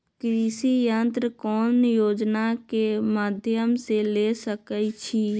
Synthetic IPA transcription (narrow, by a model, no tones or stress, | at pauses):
kɾiːsijənt̪ɾəkɔːnjoːd͡ʒnakemaːd̪ʱjəmselesəkəjt͡ʃʰi